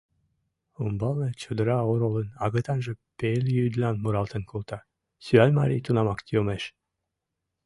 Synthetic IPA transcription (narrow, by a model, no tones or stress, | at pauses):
umbɑlnət͡ɕod̪əɾɑoɾolənɑɣət̪ɑnʒə̆pelʲjyd̪lʲɑnmuɾɑlˠt̪ənkulˠt̪ɑ | syɑlʲmɑɾʲḭjt̪unɑmɑkt̪ʰiomeʃ